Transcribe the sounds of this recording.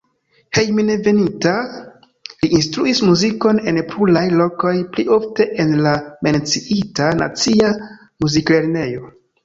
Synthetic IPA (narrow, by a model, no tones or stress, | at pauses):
he̞jmineve̞nita | liʔinstɾuismuziko̞ne̞npɾulajlo̞ko̞jplio̞fte̞ʔenlame̞nt͡siitana̰t͡sia | muzikle̞ɾne̞jo̞